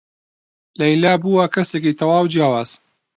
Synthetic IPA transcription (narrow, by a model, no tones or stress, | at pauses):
lɐjlaːbuːwɐkɐsekit̪ʰɐwaːwd͡ʒijaːwaːz̥